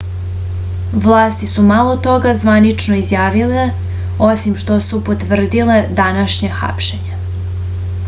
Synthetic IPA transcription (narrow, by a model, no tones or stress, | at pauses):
ʋlˠaːst̪isumalo̞t̪o̞ɡazʋanit͡ʃnoizjaːʋile | osimʃt̪o̞supot̪ʋr̩d̪iled̪anaʃɲexa̰pʃe̞ɲe